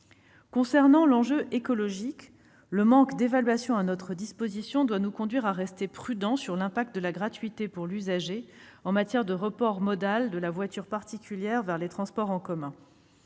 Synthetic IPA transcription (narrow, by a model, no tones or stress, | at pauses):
kɔ̃sɛʁnɑ̃lɑ̃ʒøʔekɔlɔʒik | ləmɑ̃kd̪evalɥasjɔ̃anɔt̪χəd̪ispozisjɔ̃d̪wanukɔ̃d̪ɥiʁaʁɛst̪epχyd̪ɑ̃syʁlɛ̃pak̚t̪̚d̪əlaɡʁat̪ɥit̪epuʁlyzaʒeɑ̃mat̪jɛʁd̪əʁəpɔʁmɔd̪ald̪əlavwat̪yʁpaʁt̪ikʲyljɛʁvɛʁlet̪χɑ̃spɔʁɑ̃kɔmɛ̃